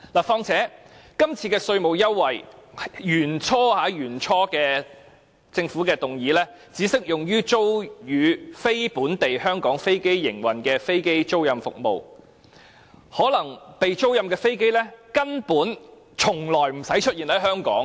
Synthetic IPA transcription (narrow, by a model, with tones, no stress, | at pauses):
laː˨˩fɔː˧ŋt͡sʰɛː˨˥kɐ˥mt͡sʰiː˧kɛː˧sɵ˧ɥmo˨˩wjɐ˥wːɐ˨˩jjyː˨˩nt͡sʰɔː˥haː˨˥jyː˨˩nt͡sʰɔː˥kɛː˧ | t͡sɪ˧ŋfuː˨˥kɛː˧t̪ʊ˨˩ŋjiː˨˥lɛː˥ | t͡siː˨˥sɪ˥k̚jʊ˨ŋjyː˥t͡so˥wjyː˨˧fe˥jpuː˨˥nt̪e˨jhœː˥ŋkɔː˨˥ŋfe˥jke˥jːɪ˨˩ŋwɐ˨˩nkɛː˧fe˥jke˥jt͡so˥wjɐ˧mfʊ̰˨k̚mo̰˨w | hɔː˨˥lɐ˨˩ŋpe˨jt͡so˥wjɐ˧mkɛː˧fe˥jke˥jlɛː˥kɐ˥npuː˨˥n | t͡sʰʊ˨˩ŋlɔː˨˩jm̩˨˩sɐ˨˥jt͡ʃʰɵ˥t̚jiː˨˩nɐ˨˥jɦœː˥ŋkɔ̰ː˨˥ŋ